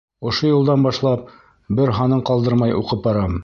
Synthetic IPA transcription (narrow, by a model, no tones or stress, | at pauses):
ŏʃojŏlˠd̪ɑnbɑʃlˠɑp̚ | bɘɾɦɑnɤɴqɑlˠd̪ɤɾmɑjʔuqɤp̚bɑɾɑm